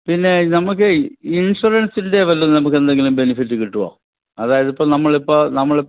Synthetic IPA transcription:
pinːe̞nɐmukːɨinʂuɾɐnsinde̞ʋɐlːunːnɐmukːe̞nd̪e̞ŋɡilumbe̞nifitːɨkiʈːuʋa̰ː | ɐðaːjɐðipːoːnɐmːɐɭipːonɐmːɐɭi

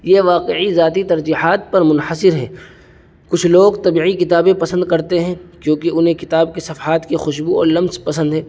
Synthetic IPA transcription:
jeːʋaːqeizaːt̪̬it̪ɐɾd͡ʒiːɦaːt̪̚pɐɾmʊnħəsɪɾɦɛ̰̃ː | kʊt͡ʃʰloːɡt̪ɐbiːʕikɪt̪aːbẽpɐsə̃nd̪̚kɐɾt̪eɦɛ̃kjõːkiʊnɦẽkɪt̪aːb̚kesɐfaːt̪kexʊʃbuɔ̰ːɾlɐmzpɐsə̃nd̪ɦɛː

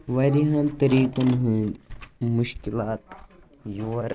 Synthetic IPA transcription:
ʋɐɾiɦɐ̃nt̪ɐɾiːkɐnɦũnmuʃkilaːt̪ | juwɐɾ

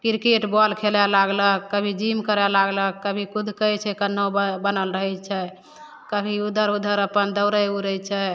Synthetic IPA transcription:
kiɾkeʈbɔlkʰelɛlaɡləkːəbʱid͡ʒimkəɾɛlaɡləkːəbʱikud̪ʱkəjt͡ʃʰɛkənːobənəlɾəɦɛt͡ʃʰɛ | kəbʱiud̪ʱəɾud̪ʱəɾəpənd̪əwɾəjuɾət͡ʃʰɛ

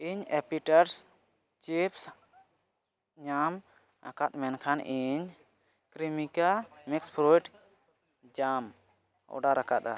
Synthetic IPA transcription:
iɲɛpiʈaɾs | t͡ʃips | ɲam | a̰kat̪̚mɛnkʰanʔiɲ | kɾimikamikspʰɾoiʈ | d͡ʒam | ʔɔ̰ɖaɾakat̪̚a̰

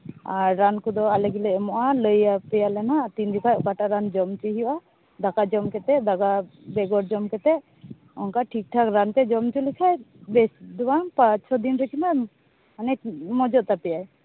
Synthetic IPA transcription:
aɾːankɔd̪ɔaləɡilɛmɔʔaləjapɛjalɛnat̪ind̪ikʰajɔkaʈaɾand͡ʒɔmt͡ʃiɦiwʔa | d̪akad͡ʒɔmkɛt̪ɛd̪aɡabɛɡɔɾd͡ʒɔmkɛt̪ɛʔ | ɔŋkaʈʰik̚ʈʰakɾant̪ɛd͡ʒɔmt͡ʃulikʰajbɛsd̪ɔwanpat͡ʃsʰɔd̪inɾəkʰima | anɛmɔd͡ʒɔʔt̪apɛjaj

